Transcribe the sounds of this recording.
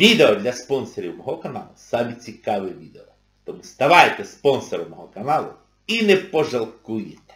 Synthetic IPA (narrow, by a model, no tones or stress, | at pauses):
ʋʲid̪eɔd̪lʲɐspɔnsɔɾʲiwmɔɦɔkɐnɑlˠʊsɑmʲit͡sʲikɑʋɪʋʲid̪eɔ | t̪ɔmust̪ɐʋɑjt̪ɛspɔnsɔɾɐmɔɦɔkɐnɑlˠʊ̰ | inɛpɔʒɐlˠkujɪt̪ɛ̥